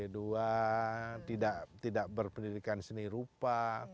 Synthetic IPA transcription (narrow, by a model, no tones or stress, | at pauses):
edua | t̪idaʔt̪idaʔbərpəndidikansəniɾupa